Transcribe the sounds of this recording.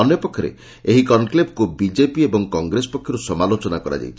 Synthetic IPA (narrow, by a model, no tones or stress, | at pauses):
ɔnjɔpɔkʰːjɔɾḛ | eɦikɔnkleb̚kubid͡ʒepiebɔŋkɔŋɡɾesɔ̥pɔkʰːjɔɾusɔmalot͡ʃɔnakɔɾa̰d͡ʒa̰jt͡ʃʰi